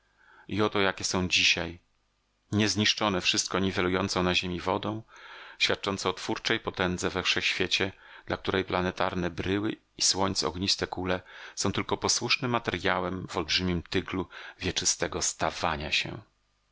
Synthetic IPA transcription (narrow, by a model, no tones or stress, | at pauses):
iɔt̪ɔjakʲɛsɔ̃w̃d͡ʑiɕaj | ɲɛzɲiʂt͡ʂɔnɛfʂɘst̪̚kɔɲivɛlujɔnt̪sɔ̃w̃naʑemʲivɔd̪ɔ̃w̃ɕfʲat̪̚t͡ʂɔnt̪sɛɔt̪fuɾt͡ʂɛjpɔt̪ɛnd̪zɛvɛfʂɛxɕfʲjet͡ɕɛ | d̪̥lak̚t̪uɾʔɛjplanɛt̪aɾnɛbɾɘwɘ | iswɔɲt̪sɔ̰ɡɲist̪ɛkulɛsɔ̃w̃t̪ɘlkɔpɔswuʂnɘmːat̪ɛɾʲjawɛmvɔlbʐɘmʲimt̪ɘɡluvʲjɛt͡ʂɘst̪ɛɡɔst̪avaɲaɕɛ̰